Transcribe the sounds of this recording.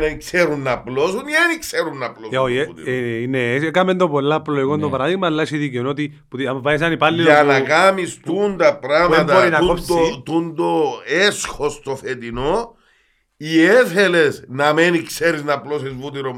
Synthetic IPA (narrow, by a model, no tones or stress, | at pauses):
nɐikseɾunːɐplosunienikseɾunːɐploo | inesekɐmend̪opolːaploikond̪opɐɾaðiɣmɐlːɐsiðiceonot̪i | puðiamvɐis̬ɐnipalːiɐnɐkamist̪und̪ɐpɾameɐt̪ɐboɾinɐot̪und̪oesxo̞st̪ofet̪ino | iefele̞snɐmenikseɾiznɐplosizvut̪iɾo